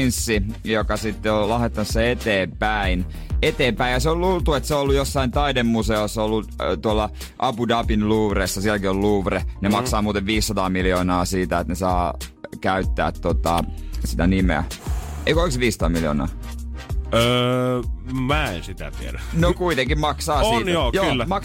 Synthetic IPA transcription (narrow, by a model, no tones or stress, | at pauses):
nsːijokɑsit̪ːeollɑhet̪ːɑnusːɑet̪eːmpæin | et̪eːmpæijjɑseolluːlt̪uet̪seoolːujosːɑint̪ɑidemmuseosːɑolːut̪uolːɑ | ʔɑpudɑpinluːʋresːɑsiælkiolluːʋrenemɑksɑːmuːt̪eʋʋiːsːɑt̪ɑːmiljoːnɑːsiːt̪æet̪nesɑːkæyt̪ːæ̰ːt̪t̪ot̪ɑsit̪ænimḛæ̰eikooiksʋiːsːɑ̥t̪ɑːmiljo̰ːnɑ̰ː | əː | mæḛnsit̪æ̰t̪iæɾænokuit̪eŋkimmɑksɑːsiːtnjoːjoːlːæmɑk